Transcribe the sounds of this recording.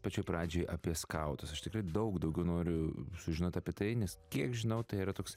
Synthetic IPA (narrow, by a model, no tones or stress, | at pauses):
pɐt͡ʃʲoːjpɾɑːd͡ʒʲoːjʔɐpʲiɛskɐʊt̪ɐsɐʃt̪ʲɪkɾɐɪd̪ɐʊkd̪ɐʊɡʲɛʊnoːɾʲʊsʊʒʲɪnoːt̪ɐːpʲiɛt̪ɐɪnʲɛskʲiɛkʒʲɪnɐʊt̪ɐɪiːɾɐt̪oːks